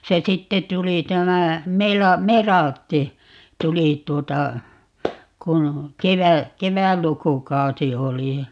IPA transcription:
se sitːe tuli tæmæ melɑ merɑltːi tuli tˑuotɑ kun keʋæ keʋælːukukɑusi oli jɑ

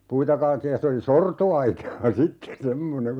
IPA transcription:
puitɑ kɑːletːiːj jɑ se oli sortoɑitɑː sitːe semːoneŋ

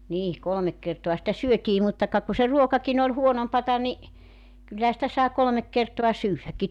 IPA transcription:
niː kolŏmek kertoɑ sitæ syøtiː mutːɑ kɑ ku se ruokɑkin olʲ huonompɑtɑ ni kylːæhæ sĭtæ sɑˑi kolŏmek kertoɑ syːʋːækːi

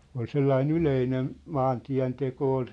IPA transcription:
ol selːɑin yleinen mɑːntiæ̝nteko ol

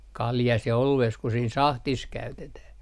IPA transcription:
kɑljɑs jɑ olueːs ku siːn sɑhtis kæytetæh

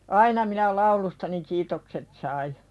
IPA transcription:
ɑinɑ minæ lɑulustɑni kiːtokset sɑi

